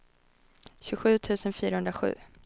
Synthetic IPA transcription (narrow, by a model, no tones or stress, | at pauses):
ɕɵɧʉ̟ːt̪ʰʉ̟ːsənfyːɾahɵnd̪ɾaɧʉ̟̰ː